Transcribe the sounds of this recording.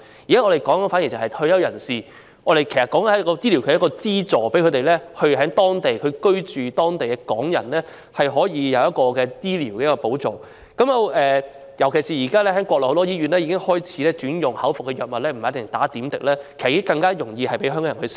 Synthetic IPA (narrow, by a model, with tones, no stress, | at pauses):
ji˨˩aː˥ɔː˧ɾe˨jkɔː˨˥ŋkɐ˥nfaː˨˥ji˨˩t͡sɐ˨˩hɐ˨jt̪ʰɵ˧ɥjɐ˥˧wjɐ˨˩nsiː˨˩ | ʔɔː˨˧ɾe˨jkʰe˨˩sɐ˨tkːɔ˨˥ŋɐ˨˥˨kɔ˧t͡siː˥li˨˩kʰːkːɔː˧t͡siː˥t͡sɔː˨˩pe˨˥kʰt̪e˨jlɛː˥hɵ˧ɥɦɛː˨˥ŋt̪ɔː˥ŋt̪e˨jkʰɵ˨˧kɵ˥ɥt͡ʃyː˨t̪ɔː˥ŋt̪e˨jkɛ˧kɔː˨˥ŋjɐ̰˨˩nlɛː˥ | hɐ˨jɦɔː˨˥jiː˨˧jɐ˨˧wjɐ˥t̚kɔː˧kɛː˧t̪iː˥liː˨˩wkɛ˧˦jkɔː˧po˨˥wt͡so˨w | kɐ˨˥mjɐ˨˧wʔɛː˨ | jɐ˨˩wkʰe˨˩jsiː˨jiː˨˩kaː˥lɛː˥hɛː˨˥ŋkʷɔː˧klɔː˨˩ht̪ɔ˥jiː˥ɥyː˨˧nlɛː˥jiː˧kɪ˥ŋhɔː˥jt͡sʰi̥ː˨˥lɛː˥t͡ʃyː˨˥njʊ˨ŋhɐ˨˥wfʊ˨k̚kːɛ˧jœː˨˩t̚mɐ˨t̚lɛː˥m̩˨˩˨jɐ˥t̪ɪ˨˩ŋt̪aː˨˥t̪iː˨˥mt̪ɪ˨k̚lɛː˥kʰe˨˩sɐ˨˩iː˧˦kɪ˥ŋkɐ˧ŋkaː˥jʊ˨˩ŋjiː˧hɐ˨jpe˨˥jɦœ˥ŋkɔː˨˧jɐ˨˩nhɵ˧s